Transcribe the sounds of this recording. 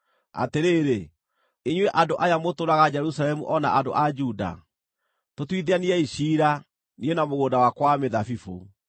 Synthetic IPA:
a̰teɾeːɾe | iɲwɛʔadoʔajamotoɾaɣad͡ʑɛɾusalɛmṵʔɔna̰ʔado̰ʔad͡ʒuda̰ | totwiðeaniɛiɕiːɾa | nienamoɣoːndawakwameðafifo̰

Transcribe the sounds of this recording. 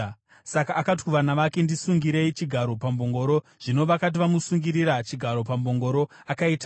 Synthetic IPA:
sakaːkat̬kuʋanaʋake̞ndisuŋɡiɾe̞it͡ʃiɡʱaɾo̞pambo̞ŋɡo̞ɾo̞ | ʐ̥ino̞ʋakat̬iʋamusuŋɡiɾiɾat͡ʃiɡʱaɾo̞pamboŋɡo̞ɾo̞ | akaiːta

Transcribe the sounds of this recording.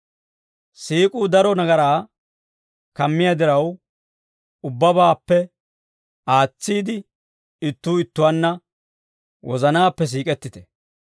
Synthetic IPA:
siːkʼuːd̪ɐɾɔnɐɡɐɾaː | kɐmːɪjad̪ɪɾɐw | ʊbːɐbaːpːɛ | aːt͡sːiːd̪ɪ | ɪt̪ːuːɪt̪ːʊwaːnːɐ | wʔɔzɐnaːpːɛs̬iːkʼɛt̪ːɪt̪ɛ̥

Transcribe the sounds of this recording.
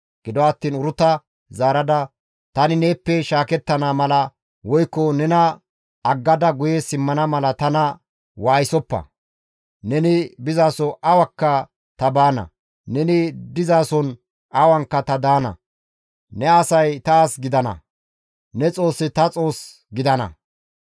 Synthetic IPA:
ɡ̥ɪd̪ɔɐːt̪ːiːnʊɾʊt̪ɐ | zaːɾɐd̪ɐ | t̪ɐnɪneːpːɛʃaːkɛt̪ːɐnamɐlɐ | wɔjkːɔnɛnɐ | ɐɡːɐd̪ɐɡʊjesɪmːɐnɐmɐlɐt̪ɐnɐ | waːjɪsɔpːɐ̰ | nɛnɪbɪzaːsɔʔɐwɐkːɐ | t̪ɐbaːnɐ̰ | nɛnɪd̪ɪzaːsɔn | ʔɐwɐŋkːɐt̪ɐd̪aːnɐ̰ | nɛɐsɐjt̪aːsɡɪd̪ɐnɐ̰ | nɛt͡sʼo̞ːsːɪt̪ɐt͡sʼo̞ːs | ɡɪd̪ɐnɐ̰

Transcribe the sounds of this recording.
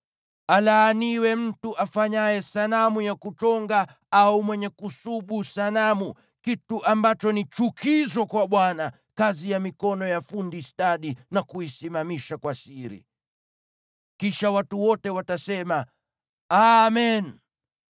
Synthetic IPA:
alaːniwɛm̩tuʔafaɲajɛsanamujakut͡ʃɔŋɡa | aumwɛɲɛkusuɓusanamu | kituʔambat͡ʃɔnit͡ʃukʰizɔkwaɓwana | kazijamikɔnɔjafundistaɗinakuisimamiʃakwasiɾḭ | kiʃawatuwɔtɛwatasɛma | amɛn

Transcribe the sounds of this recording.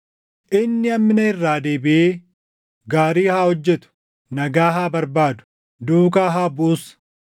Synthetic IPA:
ʔɪnːɪɐmːɪnɐɪrːaːd̪eːbɪʔeː | ɡaːɾiːhaːhɔd͡ʒːɛt̪ʊ̥ | nɐɡaːɦaːbɐɾbaːd̪ʊ̥ | d̪uːkaːɦaːbʊːs

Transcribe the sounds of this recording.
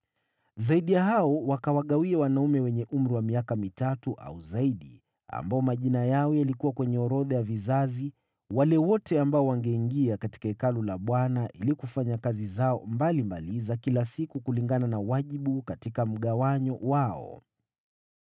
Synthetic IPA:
zaiɗijahaɔwakawaɠawiawanaumɛwɛɲɛʔum̩ɾiwamiakamitatuʔa̰uzaiɗḭ | a̰mbaɔmaʄinajaɔjalikuwakwɛɲɛɔɾɔðajavizazi | walɛwɔtɛambaɔwaŋɡɛiŋɡiakati̥kaɛkalɔlaɓwanaʔilikufaɲakazizaɔmbalimbalizakilasikukuliŋɡananawaʄiɓukatikam̩ɠawaɲɔwaɔ̰

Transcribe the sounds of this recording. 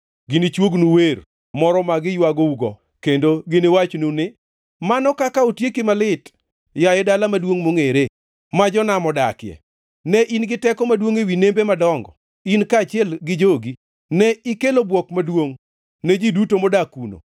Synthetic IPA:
ɡɪnɪt͡ʃwoɡnuweɾ | mɔɾɔmaɡɪjwaɡouɡɔ̰ | kendoɡɪnɪwat͡ʃnunɪ | manɔkakaotjekimalɪt | jajɛdalamadwoŋmoŋeɾe | mad͡ʒɔnamɔda̰kɪjɛ̰ | nɛʔinɡɪtɛkɔmadwoŋewinembemadɔŋɡɔ̰ | inkaːt͡ʃɪɛlɡɪd͡ʒoɡi | nɛikelobwɔkmadwoŋ | nɛd͡ʒidutomɔdakuno̰

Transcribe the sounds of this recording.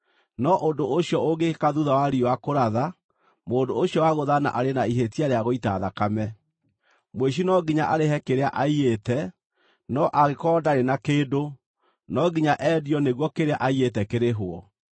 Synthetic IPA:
nɔʔondoʔoɕjɔoɡekaðuðawaɾiwakoɾaða | moːndoːɕjɔwaɣoðana̰ʔaɾenaiɦetiaɾeaɣoitaðakamɛ | mweɕ̬inɔɡiɲaʔaɾeɦɛkeɾeaʔaietɛ | nɔʔaɣekɔːdaɾenakeːdo | nɔɡiɲaʔɛːdiɔneɣwɔkeɾeaʔaietɛkeɾeɦoɔ

